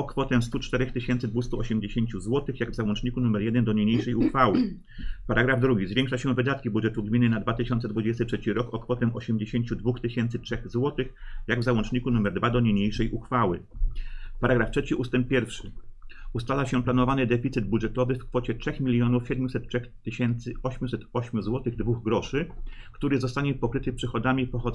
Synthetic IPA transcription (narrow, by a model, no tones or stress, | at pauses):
ɔkfɔt̪ɛmst̪ut͡ʂt̪ɛɾɛxt̪ɘɕɛnt̪sɘd̪vust̪uɔɕɛmd͡ʑeɕeɲt͡ɕuzwɔt̪ɘxjaɡvzawɔnt͡ʂɲikunumɛɾjɛd̪ɛnd̪ɔɲeɲejʂɛjuxfawɘ | paɾaɡɾavd̪ɾuɡʲizvʲjẽŋkʂaɕɛ̃vɘd̪at̪̚kʲibudʐɛt̪uɡmʲinːɘnad̪vat̪ɘɕɔnt̪sɛd̪vud͡ʑɛst̪ɘtʂɛt͡ɕiɾɔkɔkfɔt̪ɛmʔɔɕɛmd͡ʑeɕeɲt͡ɕud̪vuxt̪ɘɕɛnt̪sɘtʂɛxzwɔt̪ɘxjaɡvzawɔnt͡ʂɲikunumɛɾd̪vad̪ɔɲeɲejʂɛjʔuxfawɘ̰ | paɾaɡɾaftʂɛt͡ɕiʔust̪ɛmp̚pʲjɛɾfʂɘust̪alaɕɛplanɔvanɘd̪ɛfʲit̪sɘd̪̚budʐɛt̪ɔvɘfkfɔt͡ɕɛtʂɛxmʲilʲjɔnufɕɛd̪mjusɛt̪tːʂɛxt̪ɘɕɛnt̪sɘɔɕmʲjusɛt̪ɔɕmʲjuzwɔt̪ɘɣd̪vuɣɡɾɔʂɘkt̪uɾɘzɔst̪aɲɛpɔkɾɘt̪ɘpʂɘxɔd̪amʲipɔxɔ